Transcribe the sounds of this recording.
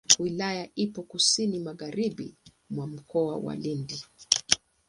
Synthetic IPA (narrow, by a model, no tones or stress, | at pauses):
wilajaʔipɔkusinimaɣaɾibḭ | mwam̩kɔawa̰lindi